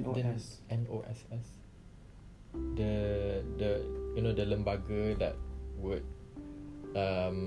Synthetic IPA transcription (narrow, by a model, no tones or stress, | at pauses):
dɛnɛ̃noʔɛ̰sɛs | dədəjunodələ̃mbaɡədɛ̰t̚wut̚ | am